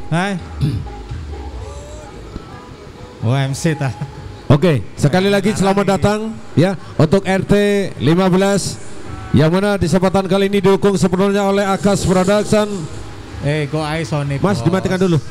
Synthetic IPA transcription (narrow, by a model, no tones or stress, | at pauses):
a | oɛmsit̪aokesəkalilaɡisəlamat̪̚dat̪aŋ | ja | unt̪ʊkɛrt̪elimabəlasjaŋmanadisəpat̪ankaliinidukʊŋsəpənɔɲaolɛɦakaspɾodaksan | eɡoaisonɪmasdimat̪ikandulu